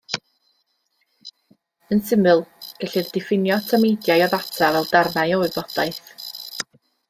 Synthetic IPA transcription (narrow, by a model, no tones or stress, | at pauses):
ənsɪmɨlˠɡ̥ɛɬɨðdɪfɪnjɔtʰəmejdjajɔðatʰavɛlˠdarnajɔɨbɔd̥ajθ